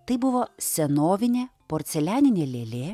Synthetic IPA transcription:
t̪ɐɪbʊʋoːsʲɛnoːʋʲɪnʲeːpoːɾʲt̪sʲɛlʲæːnʲɪnʲeːlʲeːlʲeː

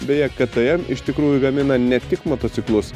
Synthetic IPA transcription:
bʲɛjɛkʲɛt̪ɨɛmɪʃt̪ʲɪkɾuːjʊɡɐmʲɪnɐnʲɛt̪ʲɪkmoːt̪oːt̪sʲɪklˠʊs

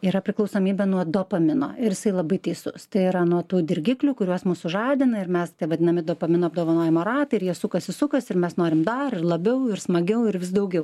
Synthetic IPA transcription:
iːɾɐpʲɾʲɪklˠɐʊsoːmʲiːbʲɛnuɔd̪oːpɐmʲɪno̰ːɪɾjɪsɐɪlˠɐbɐɪt̪ɐɪsʊst̪ɐɪiɾɐnuɔt̪uːd̪ʲɪrʲɡʲɪklʲuːkʊɾʲuɔsmuːsʊʒɑːd̪ʲɪnɐɪɾmʲɛst̪ʲiɛʋɐd̪ʲɪnɐmʲɪd̪oːpɐmʲɪnoːɐb̚d̪oːʋɐnoːjɛmoɾɑːt̪ɐɪɾjiɛsʊkɐsɪsʊkɐsɪɾmʲɛsnoːɾʲɪmd̪ɐɾɪrlˠɐbʲɛʊɪrsmɐɡʲɛʊɪɾʋʲɪsd̪ɐʊɡʲɛʊ

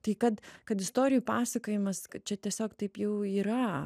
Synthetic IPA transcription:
t̪ɐɪkɐt̪kɐt̪ɪst̪oːɾʲɪjuːpɑːsɐkoːjɪmɐskt͡ʃʲɛt̪ʲiɛsʲoːkt̪ɐɪpjɛʊiːɾɐ

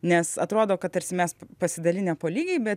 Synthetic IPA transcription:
nʲɛsɐt̪ɾoːd̪oːkɐt̪ɐɾʲsʲɪmʲɛspɐsʲɪd̪ɐlʲɪnʲɛpoːlʲiːɡʲɛɪbʲɛt

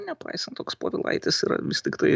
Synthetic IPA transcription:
nʲɛpɐɪsɐnt̪t̪oːkspoːʋʲɪlˠɐ̰ɪt̪ʲɪsiːɾɐ̰ʋʲɪst̪ʲɪkt̪ɐɪ

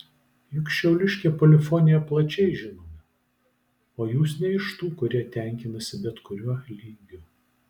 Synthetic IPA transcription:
jʊkʃʲt͡ʃʲɛʊlʲɪʃʲkʲeːpɔːlʲɪfɔnʲɪjɛplˠɐt͡ʃʲɛɪʒʲɪnoːmʲɛ | oːjuːsnʲɛɪʃt̪uːkʊɾʲiɛt̪ʲæˑŋʲkʲɪnɐsʲɪbʲɛt̪kʊɾʲuɔlʲiːŋʲɡʲu

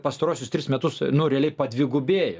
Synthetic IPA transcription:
pɐst̪ɐɾuɔsʲʊst̪ʲɾʲɪsmʲɛt̪ʊsnʊɾʲɛɐlʲɛɪpɐd̪ʲʋʲɪɡʊbʲeːjɛ

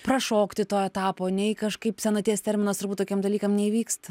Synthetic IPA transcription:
prɐʃoːkt̪ʲɪt̪oːɛt̪ɑːpoːnʲɛɪkɐʃkɐɪpsʲɛnɐt̪ʲeːst̪ʲɛɾʲmʲɪnɐst̪ʊɾbuːt̪ːoːkʲɛmd̪ɐlʲiːkɐmnʲɛiʋʲiːkst̪ɐ

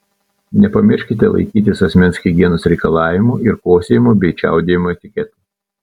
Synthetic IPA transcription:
nʲɛpɐmʲɪɾʲʃʲkʲɪt̪ʲɛlˠɐ̰ɪkʲiːt̪ʲɪsɐsʲmʲɛnʲsxʲɪɡʲiɛnʊsɾʲɛɪkɐlˠɑːʋʲɪmuːɪɾkoːsʲeːjɪmobʲɛɪt͡ʃʲæ̰ˑʊd̪ʲeːjɪmoːɛt̪ʲɪkʲɛt̪uː

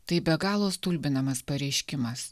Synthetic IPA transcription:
t̪ɐɪbʲɛɡɑːlˠoːst̪ulʲbʲɪnɐmɐspɐɾʲɛɪʃʲkʲɪmɐs

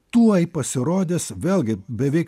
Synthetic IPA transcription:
t̪uːɐɪpɐsʲɪɾoːd̪ʲeːsʋʲeːlˠʲɡʲɪbʲɛʋʲɛɪk

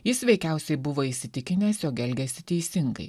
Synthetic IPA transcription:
jɪsʋʲɛɪkʲɛˑʊsʲɛɪbʊʋoːisʲɪt̪ʲɪkʲɪnʲɛːsjoːɡʲɛlʲɡʲɛsʲɪt̪ʲɛɪsʲɪŋɡɐ̰ɪ

